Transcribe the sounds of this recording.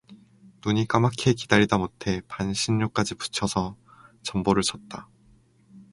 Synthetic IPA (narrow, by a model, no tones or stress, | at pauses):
nuɲik͈amakʰekidaɾidamotʰe̞panɕʰinːok͈ad͡ʑipu̥t͡ɕʰʌsʰʌ | t͡ɕʌmboɾɯɭs͈ʰʌt̚t͈a